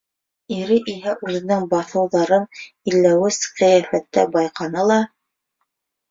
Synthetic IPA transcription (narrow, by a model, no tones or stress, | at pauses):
iɾɘʔiɦæʔʉðɘ̆nɘŋbɑθɤ̆wðɑɾɤn | ilːæwɘsqɤ̆jæfæt̪ːæbɑjqɑnɤlˠɑ